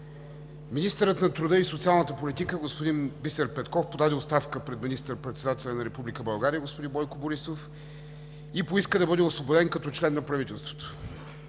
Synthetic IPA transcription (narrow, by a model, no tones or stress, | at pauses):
minist̪əɾət̪nɐt̪ɾud̪ɤisot̪sialˠnət̪əpolit̪ikəɡospod̪inbisəɾpɛt̪kɔfpod̪ad̪ɛot̪st̪afkəpɾɛd̪minist̪əɾpɾɛt̪sɛd̪at̪ɛlʲɐnɐɾɛpublikəbɐlˠɡaɾijəɡospod̪imbɔjkoboɾisof | ipoiskəd̪ɐbɤd̪ɛosvˠobod̪ɛnkɐt̪ɔt͡ʃlɛnːɐpɾɐvit̪ɛlˠst̪vo̥t̪o̥